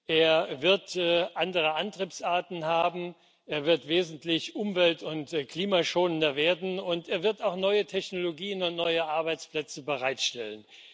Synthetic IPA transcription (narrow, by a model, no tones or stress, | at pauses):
ʔeːɐvɪɐtːʔandəʁ̞əʔantʁ̥iːpsʔaɐtn̩haːbm̩ | ʔeːɐvɪɐtv̥eːzn̩tlɪçʔʊmvɛltʊntkl̥iːmaʃoːnəndɐveːɐdn̩ʊnteːɐvɪɐtaʊxnɔʏətʰɛçnoloɡiːənʊntnɔʏəʔaɐbaɪt͡spl̥ɛt͡səbəʁaɪtʃtɛlən